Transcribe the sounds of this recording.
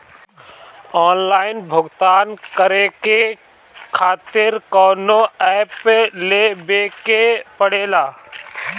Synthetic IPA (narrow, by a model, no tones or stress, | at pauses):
ɔːnlaːɪnbʱʊɡt̪aːnkəɾeke | kʰaːt̪ɪɾkɔːnoɛːpːeleːbeːkepəɽeːlaː